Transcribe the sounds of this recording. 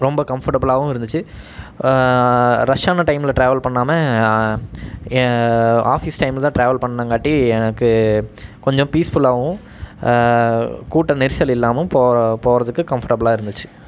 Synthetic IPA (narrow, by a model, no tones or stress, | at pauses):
ɾɔmbɐkɐmfɐɾʈɐbɐlaːʋʊ̃ɪɾɯnd̪ɯt͡ʃːɯ | ɾɐʂjaːnɐʈɐɪmɪlɐʈɾeːʋɐlpɐɳːaːmɐ | aːfisʈɐɪmlt̪ãːʈɾeːʋɐlpɐɳːɐnɐŋɡaːʈːiɛnɐkːɯkɔɲd͡ʒɔ̃piːsfʊlaːɐʋʊ̃ | kuːʈːɐnɪɾsjɐlɪlːaːmɐpoːpoːɾɐðɯkːɯkɐmfɐɾʈɐbɐlaːɪɾɯnd̪ɯt͡ʃːɯ̥